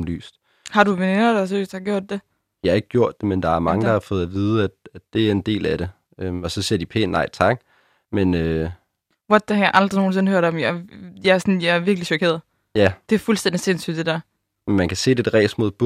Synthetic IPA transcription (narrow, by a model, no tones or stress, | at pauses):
mly̰ːsd̥ | hɑ̈ɾuʋene̝nɐd̥ɑsø̰ːsd̥hɑ̈ɡ̥jo̝ɐ̰d̥ːe̝ | jɑhɑ̈e̝ɡ̥əɡjo̝ɐ̰d̥ːe̝mend̥ɑ̈æɐmɑ̈ŋəd̥ɑ̈hɑ̈fɔ̽ːð̩ˠæʋiːð̞̩ˠəæd̥æ̥e̝æɐe̝nd̥e̝̰ːlæɾ̥e̝ | ømɒ̽sɒ̽siɐd̥ipʰḛnʔɑ̈ɪ̰t͡sʰɑ̈ɡ̥ | menø | ʋɒd̥æhɑ̈jɑ̈ʔɑ̈ld̥ʁino̝ːn̩se̝nhøɐ̰dɒ̽mjɑjɑæɐsɔnjɑ̈æɐʋiɐɡ̥liɕɒkʰe̝̰ɐð̩ˠ | jæd̥e̝æɐfulsd̥end̥ise̝nsy̰d̥ed̥æɐ | menmænkʰæse̝̰ːd̥e̝d̥ʁɛ̰ːsmo̝ðˠb̥